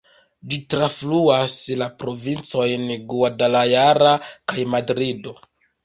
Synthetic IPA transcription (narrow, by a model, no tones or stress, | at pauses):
d͡ʒitɾafluaslapɾo̞vint͡so̞jnɡuadalajaɾakajmadɾido̞